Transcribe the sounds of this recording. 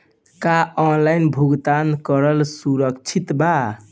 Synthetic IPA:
kaɔnlainbʱuɡt̪ankəɾəlsuɾəkt͡ʃʰit̪ba

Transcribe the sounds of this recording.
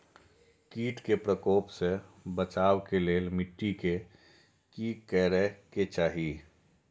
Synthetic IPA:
kiːʈkepɾəkoːpsebət͡ʃaːwkeleːlmɪʈːike | kikɛːɾɛket͡ʃaːɦi

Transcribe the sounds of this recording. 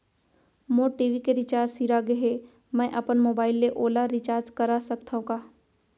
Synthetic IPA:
moʈiːʋikeɾɪt͡ʃaːɾsiɾaɡeɦe | mɛ̃ːʔɐpənmoːbaːɪlːeʔoːlaɾɪt͡ʃaːɾd͡ʒkɐɾasɐk̚t̪ʰaõkaː

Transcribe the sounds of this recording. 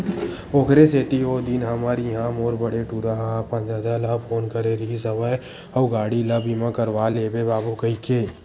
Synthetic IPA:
okɾeseːt̪iɦoːd̪inɦɐmaɾɦãmoːɾbəɽeʈuːɾapɐ̃nd͡ʒaːd͡ʒalaːbpʰoːnkəɾeɾiis̬əʋae | ɔːɡaːɽiləbimãkəɾʋaːleːbebaːbokəike

